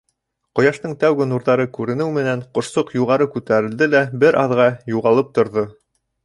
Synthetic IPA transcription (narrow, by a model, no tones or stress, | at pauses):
qŏjɑʃt̪ɤɴt̪æwɡɘnuɾðɑɾɤkʉɾɘ̆nɘwmɘ̆nænqŏʃsoqjuʁɑɾɤkʉt̪æɾɘ̆ld̪ɘlæbɘɾʔɑðʁɑjuʁɑlˠɤp̚t̪ŏɾðo